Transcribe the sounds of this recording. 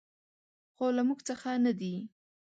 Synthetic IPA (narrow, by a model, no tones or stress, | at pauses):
xolamuɡt͡səxanad̪i